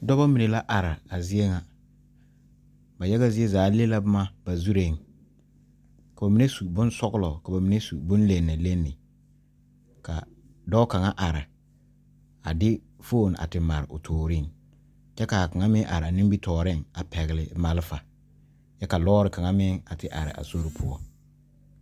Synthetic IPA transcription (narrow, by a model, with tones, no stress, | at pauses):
dɔ˦ba˦mi˨ne˨la˦ʔa˨ɾɪ˨a˨zɪ˦ɛ˦ŋa˨ | ba˨jɛ˦ɣa˦zɪ˦e˦zaː˨˦le˦la˦bma˦b̥a˨zu˦ɾe˨ŋ | ka˨ba˨mi˨˦ne˦su˨bʊ̃˦n˦sɔ˦ɡlɔ˨ka˨ba˨mi˨ne˦su˨bʊ˦n˦le˨nːa˨le˦nːɪ˨ | ka̰˨ | dɔ˦ka˨ŋa˦ʔa˨ɾɪ˨ | a̰˨dɪ˦ | foː˦˨n˨a̰˨tɪ˨ma˨ɾɪ̰˨ʊ̰˨tʰoː˨ɾi˦˨ŋ | t͡ʃɛ˦ka˨ka˨ŋa˦mɪ˦ŋʔa̰˨ɾɪ˨a˨ni˦bi˦tʰɔː˨ɾɪ˦ŋa˨pɛ˨ɣɪ˨lɪ˨ma˨lfa˨ | t͡ʃɛ˦ka˨lɔː˦ɾɪ˨ka˨ŋa˦mɪ˦ŋa˨tɪ˦ʔa̰˨ɾɪ̰˨ʔa̰˨so˦ɾɪ˦pʰʊ̰˦ɔ̰˦